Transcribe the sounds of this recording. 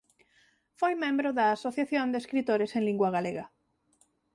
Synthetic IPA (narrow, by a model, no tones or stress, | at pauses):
fojmẽmbɾoðɐːsoθjaθjond̪eskɾit̪oɾesẽnliŋɡwaɣ̞aleɣa